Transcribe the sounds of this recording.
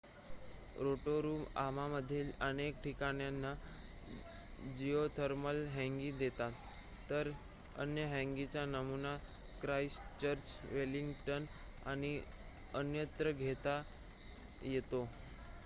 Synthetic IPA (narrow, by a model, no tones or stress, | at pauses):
ɾoʈoɾuːma̰maməd̪ʱːiːlənek̚ʈʰikaɽ̃janːa | d͡ʑiot̪ʰəɾməlɦɛ̃ŋɡiːd̪et̪at̪ː | əɾ | ə̰njəɦɛ̃ŋɡit͡ɕjanəmuna | kɾaist͡ɕəɾt͡ɕʋeliŋɡʈən | a̰ɽ̃i | ənjət̪ɾəɡʱet̪a | jet̪o